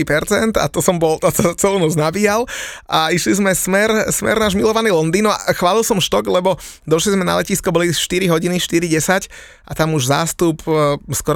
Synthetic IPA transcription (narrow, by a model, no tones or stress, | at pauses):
ipɛɾt͡sɛnt̪a̰t̪ɔsɔmbɔlt̪ɔsat͡sɛluːnɔt͡snabiːjalʔaiʃlizmɛsmɛɾsmɛ̰ɾnaːʒmilɔʋaniːlɔnd̪iːnɔa̰xʋaːlilsɔmʃt̪ɔɡlɛbɔ | d̪ɔʃlizmɛna̰lɛciːskɔbɔliʃt̪iɾiɦɔɟiniʃt̪iɾiɟɛsac | ʔat̪amuʒzaːst̪upskɔɾ